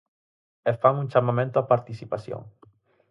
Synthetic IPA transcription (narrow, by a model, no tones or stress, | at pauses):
efaŋunʲt͡ʃamamẽnt̪oapaɾt̪isipasjo̰ŋ